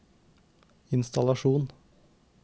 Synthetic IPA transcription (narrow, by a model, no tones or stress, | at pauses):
ɪnst̪ɑlɑʃuːn